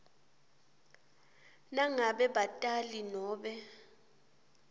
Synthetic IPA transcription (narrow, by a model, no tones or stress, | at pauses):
naŋaɓɛɓatʼalinɔːɓɛ